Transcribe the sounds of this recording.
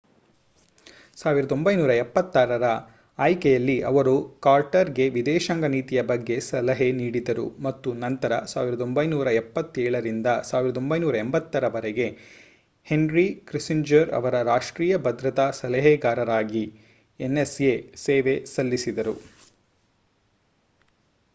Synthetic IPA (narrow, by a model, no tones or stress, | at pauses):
saːʋiɾɐd̪o̞mbɐjnuːɾɐɛpːɐt̪ːaːɾɐɾɐː | jkɛjɐlːiʔɐʋɐɾukaːɾʈɐɾɡe̞ʋid̪ɛːʃɐŋɡɐniːt̪ijɐbɐɡːe̞sɐlɐɦeniːɽid̪ɐɾṵmɐt̪ːunɐnt̪ɐɾɐsaːʋiɾɐd̪o̞mbɐjnuːɾɐɛpːɐt̪ːɛːɭɐɾind̪ɐsaːʋiɾɐd̪o̞mbɐjnuːɾɐembɐt̪ːɐɾɐʋɐɾɛɡe̞ | he̞nɾikɾisiɲd͡ʒɐɾɐ̰ʋɐɾɐɾaːʂʈɾiːjɐbɐd̪ɾɐt̪asɐlɐɦɛɡaːɾɐɾaːɡi | enːeseseːʋe̞sɐlːisid̪ɐɾu